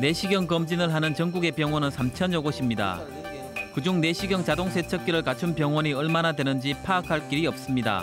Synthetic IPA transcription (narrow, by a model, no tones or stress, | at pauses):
ne̞ɕʰiɡjʌŋkʌmd͡ʑinɯɭɦanɯnt͡ɕʌŋɡuɡe̞pjʌŋwʌnɯnsʰamt͡ɕʰʌnjoɡoɕʰimɲida̰ | kɯd͡ʑuŋne̞ɕʰiɡjʌŋt͡ɕadoŋsʰe̞t͡ɕʰʌk͈iɾɯɭkat͡ɕʰɯnpjʌŋwʌɲiʌɭmanadwe̞nɯnd͡ʑipʰaːkʰaɭk͈iɾiʌp̚s͈ɯmɲida̰